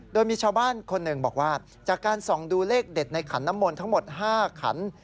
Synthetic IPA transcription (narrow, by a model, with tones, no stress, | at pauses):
doː˧jmiː˧t͡ɕʰaː˧wbaː˥˩nkʰo˧nːɯ˨˩ŋbɔː˨˩k̚waː˥˩ | t͡ɕaː˨˩kːaː˧nsɔː˨˩˦ŋduː˧leː˥˩k̚de˨˩t̪̚na˧jkʰa˩˦nːa˦˥mːoː˧nt̪ʰa˥ŋmo˨˩t̪̚ɦaː˥˩kʰa̰˩˦n